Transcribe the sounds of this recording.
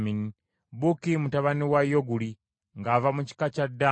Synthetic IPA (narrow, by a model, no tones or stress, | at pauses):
mini | bukimutaβaniwajoɡuli | ŋɡaːvamuci̥kacada